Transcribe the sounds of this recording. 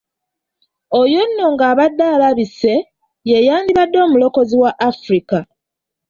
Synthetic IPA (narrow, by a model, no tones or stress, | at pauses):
o̞jo̞nːo̞ŋɡaːβadːaːlaβise̞ | jejaːndiβadːo̞ːmulo̞ko̞ziwaʔːfɾika